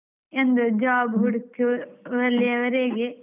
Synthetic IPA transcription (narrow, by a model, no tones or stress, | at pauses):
end̪ud͡ʒaːbɦuɽukːuʋɐlːiɐʋɐɾeːɡe